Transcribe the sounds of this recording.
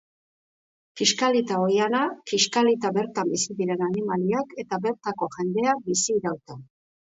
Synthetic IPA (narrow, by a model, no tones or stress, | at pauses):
kiʃkalit̪aojanakiʃkalit̪aβe̞ɾt̪ambisiðiɾe̞nanimaliake̞t̪aβe̞ɾt̪ako̞ʝe̞nd̪e̞ak̚bisiːɾawt̪a